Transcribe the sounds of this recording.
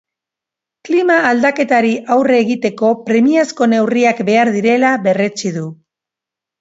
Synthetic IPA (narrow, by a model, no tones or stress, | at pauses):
klimaːld̪ake̞t̪aɾiʔawre̞ːɣit̪e̞ko̞pɾe̞miasko̞ne̞wriakbe̞aɾðiɾe̞laβe̞re̞t͡siðu